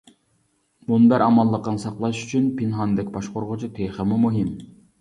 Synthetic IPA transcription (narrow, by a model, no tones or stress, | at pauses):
bunbæɾʔɑmɑlˠːəqːɑnsɑqlˠɑʃy̥t͡ʃʰynpʰinɦɑnd̪ɛkʲbɑʃqoɾʁʊt͡ʃʰit̪ʰeχəmumuɦɪm